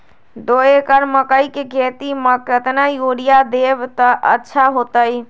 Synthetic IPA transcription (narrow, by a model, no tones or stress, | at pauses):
d̪oekəɾməkəjkeket̪iməkət̪najoɾijad̪ebt̪əʔə̰tːʃʰaɦot̪əj